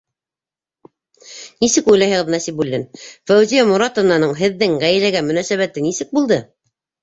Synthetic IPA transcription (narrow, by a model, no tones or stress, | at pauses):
nisɘkujlˠɑjhɤ̆ʁɤðnæsipulʲːɘnfæwzijamuɾɑt̪ŏvnɑnɤɴɦɘ̆ðːɘŋʁæj̆læɡæmɵ̆næsæβæt̪ɘnisɘk̚bulˠd̪ɤ